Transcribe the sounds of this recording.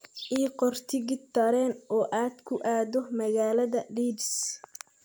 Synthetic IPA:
ʔiːqɔrt̪ʰɪɣɪt̪ʰːɐɾɛːnʔɔːʔaːd̪kʰʊʔaːðɔmɐɣaːlɐðɐɖiːbs

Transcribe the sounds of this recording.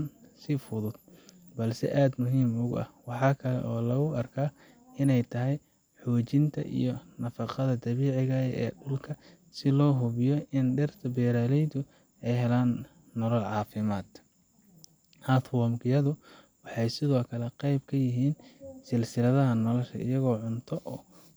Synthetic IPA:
nsɪfʊðʊd̪̥bɐlsɛ̰ʔaːd̪mʊɦiːmʊɣʊɐ̰hwɑħɑːkʰɐlɛ̰ʔɔːlɐɣʊɐrkʰaː | ɪnɛjt̪ʰɐɦɛj | ħɔːt͡ʃɪnt̪ʰɐ̰ʔḭjɔnɐfɑqɑðɐd̪ɐβiːʕɪɣɐɛ̰ːɖʊlkʰɐ | sɪlɔːɦʊβɪjɔɪnɖɛrt̪ʰɐbɛːɾaːlɛjd̪ʊ | ɛjɦɛlaːnː | ɔlɐlʕɑːfɪmaːd̪̥ | hat̪ʰwɔːmkʰɪjɐðʊ | wɑħɑjsɪðɔːkʰɐlɛqɑjbkʰɐjɪɦiːnsɪlsɪlɐðɐɦɐnɔlɐʃɐ̰ɪ̰jɐɣɔːʕʊnt̪ʰɔʔɔː

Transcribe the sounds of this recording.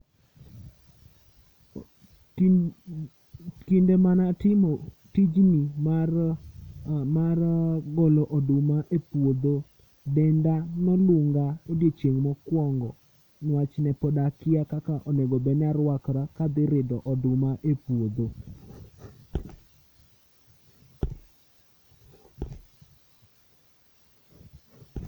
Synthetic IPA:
kindemanatɪmo | tid͡ʒni | marɡɔlɔʔɔdʊmaʔepwod̪o | bɛndanɔlʊŋɡaodjet͡ʃjeŋmɔkwɔŋɡɔ | nat͡ʃnɛpɔdakɪakakaʔɔnɛɡɔbɛnaɾwakɾakad̪ɪɾɪdɔʔɔdʊmaʔepwod̪o

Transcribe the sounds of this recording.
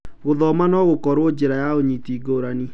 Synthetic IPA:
ɣoðɔmanɔɣokɔɾwod͡ʒeɾajaoɲitiːɡoɾani

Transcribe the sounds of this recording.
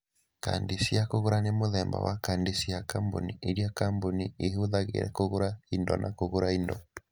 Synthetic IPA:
ka̰ndesijakoɣoɾanemoðɛmba̰wakandesijakambo̰niʔeɾiakambonieɦoðaɣḛɾɛ̰koɣoɾaindɔ̰nʔakoɣoɾaindɔ̰

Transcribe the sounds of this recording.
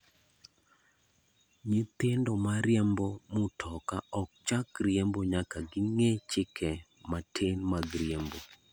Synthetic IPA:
ɲit̪ɪndomaɾjɛmbomʊtʰɔkaɔk̚t͡ʃakɾjɛmboɲakaɡɪŋet͡ʃɪkʰɛ | matʰenmaɡɾjembo

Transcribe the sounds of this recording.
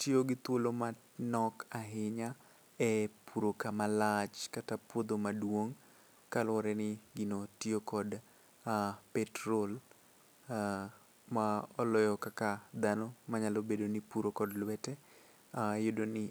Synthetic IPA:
tjoɡɪt̪woloma | nɔkaɦɪɲa | ɛpʰuɾokamalat͡ʃkatapwod̪omadwoŋ | kalwɔɾɛnɪɡɪnotjokɔd | apɛtɾol | maɔlɔjɔkakad̪anomaɲalobedonɪpuɾokɔdlwɛtɛ | ajʊdonɪ

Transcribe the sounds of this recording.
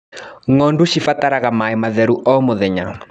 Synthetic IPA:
ŋɔnduʃifataɾaɣamaemaðɛɾuʔɔmoðɛɲa

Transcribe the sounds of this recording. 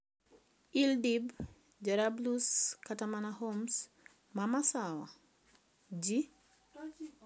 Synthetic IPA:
ildib | d͡ʒaɾabluskatamanahoms | mamasawa̰ | d͡ʒi

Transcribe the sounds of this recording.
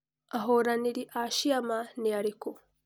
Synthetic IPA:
aɦoɾaniɾiʔaʃiamaniaɾiko

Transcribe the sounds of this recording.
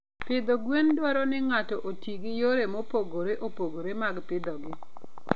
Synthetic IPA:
pɪd̪oɡwendwɔɾɔnɪŋatɔʔotiɡɪjoɾemopoɡoɾeʔopoɡoɾemaɡpɪd̪ɔɡɪ

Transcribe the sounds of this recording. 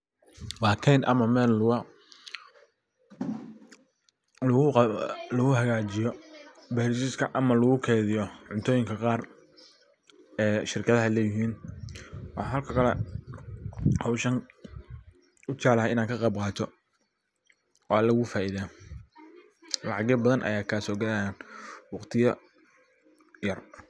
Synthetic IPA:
waːk̪ʰɛjnʔɐ̰mɐmɛːlɐ | lʊlʊɣʊhɐɣaːt͡ʃɪjɔ | bɛɾsiskʰɐʔɐmɐlʊɣʊkʰɛːðɪjɔʕʊnt̪ʰɔːjɪŋkʰɐqɑːr | ɛːʃɪrkʰɐðɐɦɐlɛːjɪɦiːn | wɑħɑɦɐlkʰɐkʰɐlɛ̰ | hɔwʃɐn | ʊt͡ʃaʕlɐɦɛɪnaːŋkʰɐqɑb̚qɑːt̪ʰɔ | ɔlɐɣʊfaːʔiða | lɑʕɑɣɛbɐðɐnʔɐ̰jaːkʰaːsɔːɡɐlajaːnwɑqt̪ʰɪjɐ | jɐr

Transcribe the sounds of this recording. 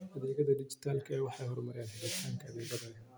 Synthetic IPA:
ʔɐðɛːɣɐðɐd̪ɪd͡ʒɪ̥t̪ʰaːlkʰɐɛwɑħɑjɦɔrmɐɾjaːnħɪdɪt̪ʰaːŋkʰɐɐðɛːɣɐðɐ

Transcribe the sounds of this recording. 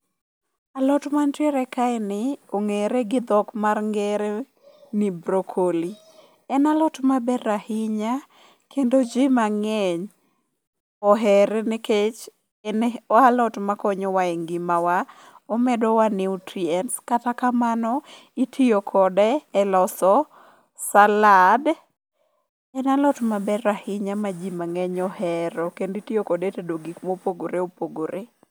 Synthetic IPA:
alɔtmantɛɾɛkaɛnɪoŋeɾeɡɪd̪ɔkmarŋɡɛɾe | nɪbɾokʰoli | ɛnalɔtmabɛɾahɪɲa | kʰendod͡ʒɪmaŋɛɲ | ɔɦɛɾnɪket͡ʃ | nɔalɔtmakɔɲɔwaeŋɡimawa | ɔmɛdɔwanɪutɾiɛnskatakamanɔ | itʰiokʰɔdɛːlɔsɔ | salad | ɛnalɔtmabɛɾahɪɲamad͡ʒimaŋɛɲɔhɛɾɔkenditiokɔdetedoɡikmopoɡoɾeopoɡoɾe

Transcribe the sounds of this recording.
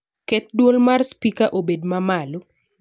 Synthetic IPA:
kɛt̪̚dwolmarspikaʔobedmamalo

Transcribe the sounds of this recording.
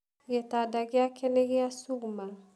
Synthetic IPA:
jɛtadaɡɪakʰɛleɡiasuɡmal

